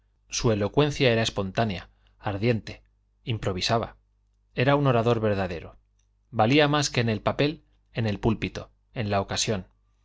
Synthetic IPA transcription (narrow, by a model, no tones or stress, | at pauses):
sue̞lo̞kwe̞n̟θjae̞ɾaespo̞nt̪anja̰ː | ɾðje̞nt̪e̞ | impɾo̞β̞isaβa̰ | e̞ɾauno̞ɾaðo̞ɾβe̞ɾðaðe̞ɾo̞ | baliamaske̞ːne̞lpape̞l | e̞ne̞lpulpit̪o̞ | e̞nlao̞kasjo̞n